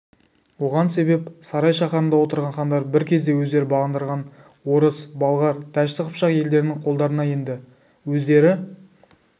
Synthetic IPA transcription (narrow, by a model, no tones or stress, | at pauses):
wo̞ʁɑnse̞be̞psɑɾɑjʃɑqɑɾənd̪ɑwo̞t̪əɾʁɑnχɑnd̪ɑɾbɪɾkʲʰe̞zd̪e̞wɵzd̪e̞ɾɪbɑʁənd̪əɾʁɑn | wo̞ɾəsbɑlˠʁɑɾt̪ʰæʃt̪ɪqʰəpʃɑqje̞ld̪e̞ɾɪnɪŋqʰo̞lˠd̪ɑɾənɑje̞nd̪ɪ | wɵzd̪e̞ɾɪ